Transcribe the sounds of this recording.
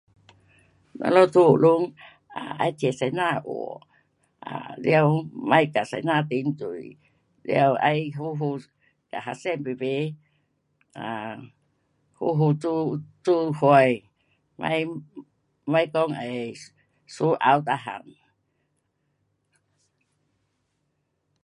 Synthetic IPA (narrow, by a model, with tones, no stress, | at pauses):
na̰˧lɔ˧˦t̪ʰu˧u˨lu˧˦ŋ | ʔa̰˨ʔa̰˧˦jt̪ʰi˨sa˨˧˦jnaː˧˨ʔo̰˨˩ | ʔa˨lwma˧˦˥jka˨sa˧jnaː˧˨t̪i˧˦nt̪u˨˩j | lɛ̰˧ə˧wʔa̰˧˦jɦu˧˦ɦu˧ | ka˨ɦa˧sɛ˧˩˨mpe˧be˧˦ | a˨ | hu˦ɦu˧u˧t͡su˦ha˧j | ma̰˦j | mã˦jkɔ˧ŋə˨ | su˦ʔa˧wt̪a˧ɦa̰˨ŋ